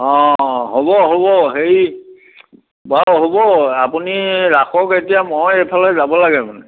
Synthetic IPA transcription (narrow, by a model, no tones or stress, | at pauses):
ɔ̃ɦobɔɦobɔɦeɹi | baɦobɔapuniɹaxɔketijamojepʰalɛzabɔlaɡɛmanɛ